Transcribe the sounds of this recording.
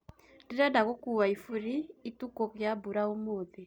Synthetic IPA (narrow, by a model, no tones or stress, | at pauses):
ndiɾadaɣokuwaifuɾiːtukoɣjabuɾaomoːðe